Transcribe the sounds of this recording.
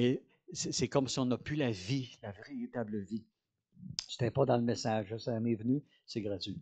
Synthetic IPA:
e | sɛsɛkɔmsiɔ̃napylavilaveʁeʁit̪abləvi | se̥t̪ɛpɔd̪ɑ̃ləmesaʒəsɛmevny | sɛɡʁat̪ɥi

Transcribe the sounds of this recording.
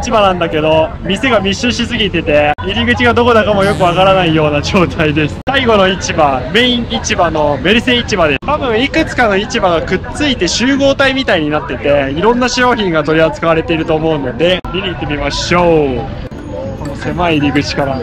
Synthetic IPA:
it͡ɕibanãnd̪ake̞d̪o̞ | mʲise̞ɡamʲiɕːɨɕisɨɡʲit̪e̞t̪e̞iɾʲiɡɯ̟t͡ɕiɡad̪o̞ko̞d̪akamo̞jo̞kɯ̟βakaɾanaijo̞ːnaʑo̞ːt̪ʰaid̪e̞sɨ̥saiɡo̞no̞it͡ɕibamẽ̞ĩit͡ɕibano̞me̞ɾɯ̟se̞it͡ɕibad̪et̪abɯ̟̃ɰ̃ikɯ̟t͡sɨ̥kano̞it͡ɕibaɡakɯ̟tt͡sɨit̪e̞ɕɨːɡo̞ːt̪aimʲit̪aiɲ̟inat̪ːe̞t̪e̞iɾõ̞nːaɕo̞ːçĩŋɡat̪o̞ɾʲiat͡sɨ̥kaβaɾe̞t̪e̞iɾɯ̟t̪oːmo̞ɯ̟no̞d̪e̞mʲiɲʲiːt̪ːe̞mʲimaɕo | ko̞no̞se̞maiiɾʲiɡɯ̟t͡ɕi̥kaɾa

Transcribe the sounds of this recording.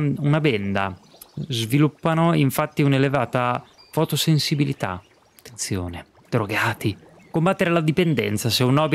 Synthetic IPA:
unabɛnd̪a̰ | zvilupːanoiɱfat̪ːiunelevaːt̪a | fot̪osensibilit̪a̰ | at̪ːent̪sjo̰ːne | d̪ɾoɡaːt̪i | kombat̪ːeɾelad̪ipend̪ɛ̰nt̪saseunːɔːbi

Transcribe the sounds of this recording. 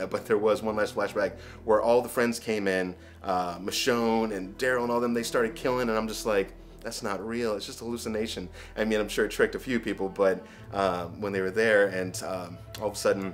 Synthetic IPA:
b̥ʌt̪̚ðə˞wʌzwʌ̃nlæstflæʃb̥æk̚ | wə˞ʔɔlˠðəfɹɛ̃ndz̥kʰẽɪ̃mɪ̃n | ʔʌmɨʃõʊ̃nɨ̃ndɛɹlˠə̃nɔlˠðə̃mðeɪstɑɹɾɨd̚kʰɪlˠɪ̃ŋɨ̃nãɪ̃md͡ʒʌstˡlaɪk | ðætsnət̚ɹilˠɪtsd̥ʒ̥ʌstəəlʉsɨneɪʃɨ̃n | ʔaɪmĩnãɪ̃mʃʊɹɨt̚ʰɹ̥ɪk̚tɨfjʉpʰipl̩ˠbʌt̚ | ʔʌwə̃nðeɪwə˞ðə˞ɨ̃nʌ | ɔlˠðəsʌdⁿn̩

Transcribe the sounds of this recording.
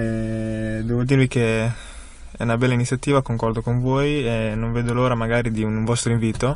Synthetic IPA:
ɛd̪ɛːvod̪iːɾvike | ɛ̰unabɛlːainit̪sːjat̪iːvakoŋkɔrd̪okoɱvoːjenːoɱveːd̪oloːɾamaɡaːɾid̪iunɱvɔst̪ɾoiɱviːt̪o

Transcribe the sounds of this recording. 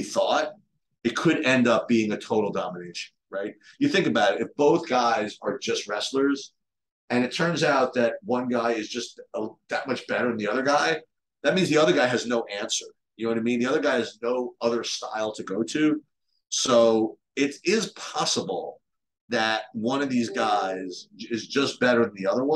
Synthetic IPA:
iθɔt̚ | ɨt̚kʰɨɾɛ̃ndʌp̚b̥iɪ̃ŋɨtʰoʊɾl̩ˠdɑməneɪʃɨ̃n̩ɹaɪt̚jɨθɪ̃ŋkɨbaʊɾɨɾɨfb̥oʊθɡ̥aɪzə˞d͡ʒʌst̚ɹɛslə˞z̥ | ɨ̃nɨtʰɜ̃˞nzaʊt̪̚ðɨt̚wʌ̃nɡaɪɨzd͡ʒʌst̚əðɨt̚mʌt͡ʃb̥ɛɾə˞ɨ̃n̩ðiʌðə˞ɡaɪ | ðɨt̚mĩnzðiʌðə˞ɡaɪɨznoʊʔæ̃nsə˞ | jnoʊɨ̃nɨmĩnðiʌðə˞ɡaɪɨznoʊʌðə˞sta̰ɪlˠtʰɨɡoʊɾʉ | soʊ | ɪɾɪz̥pʰɑsəbl̩ˠ | ðɨt̚wʌ̃nʌvðizɡaɪzɪzd͡ʒʌsb̥ɛɾə˞ð̃n̩ðiʌðə˞wʌ̃

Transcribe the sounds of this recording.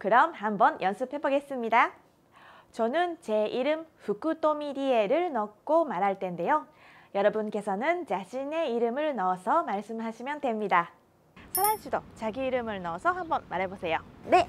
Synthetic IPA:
kɯɾʌmhambʌnjʌnsʰɯp̚ʰhe̞boɡe̞s͈ɯmɲida | t͡ɕʌnɯnt͡ɕe̞ʔiɾɯmɸuk͈ɯt͈omiɾie̞ɾɯɭnʌk̚k͈omaɾɦaɭt͈ʰe̞nde̞jo | jʌɾʌbunk͈e̞sʰʌnɯnt͡ɕaɕʰine̞iɾɯmɯɭnʌsʰʌmaɭs͈ɯmɦaɕʰimjʌndwe̞mɲida | sʰaɾansʰidot͡ɕaɡiːɾɯmɯɭnʌsʰʌhambʌnmaɾɦe̞bosʰe̞jone̞

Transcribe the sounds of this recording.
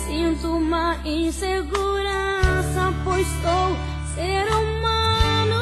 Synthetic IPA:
sĩnt̪umaĩseɡuɾasapojst̪ow | seɾumanʊ

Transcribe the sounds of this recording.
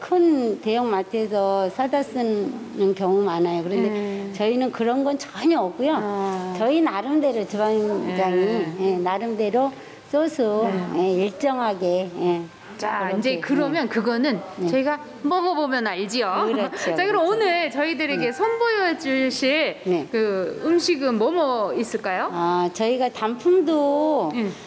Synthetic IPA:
kʰɯnte̞jʌŋmatʰe̞sʰʌsʰadas͈ɯnnɯnkjʌŋumanajokɯɾʌndet͡ɕʌinɯnkɯɾʌnɡʌnt͡ɕʌɲʌʌp̚k͈ujot͡ɕʌinaɾɯmde̞ɾot͡ɕubaŋd͡ʑaŋijenaɾɯmde̞ɾo | s͈osʰuje̞iɭt͡ɕ͈ʌŋɦaɡeje | t͡ɕaind͡ʑekɯɾʌmjʌnkɯɡʌnɯnnet͡ɕʌiɡa | mʌmʌbomjʌnaɭd͡ʑijokɯɾʌt͡ɕʰot͡ɕakɯɾʌmonɯɭt͡ɕʌidɯɾe̞ɡe̞sʰʌnbojʌt͡ɕ͈ɯɭɕʰine̞kɯɯmɕʰiɡɯnmʌmʌis͈ɯɭk͈ajoat͡ɕʌiɡatampʰumdo

